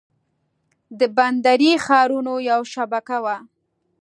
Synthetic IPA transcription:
d̪əband̪aɾixɑɾunojawʃabakawa

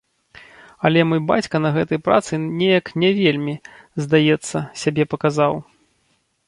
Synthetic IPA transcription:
ɐlʲɛmɔjba̰t͡sʲkɐnɐɣɛt̪ɐjpɾa̰t̪sɨnʲejɐknʲɛvʲelʲmʲi | zd̪ajɛt̪sːɐsʲabʲɛpɐkazaw

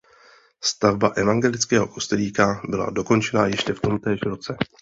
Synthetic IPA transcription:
st̪avbaʔɛvaŋɡɛlɪt͡skɛːɦo̞kost̪ɛliːkabɪla̰do̞ko̞nt͡ʃɛnajɛʃcɛft̪o̞mt̪ɛːʃɾo̞t͡sɛ

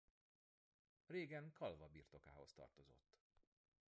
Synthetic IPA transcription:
reːɡɛŋkʰɒlvɒbiːrt̪o̞ka̰ːho̞st̪ɒ̰rt̪o̞zo̞̰t̪ː

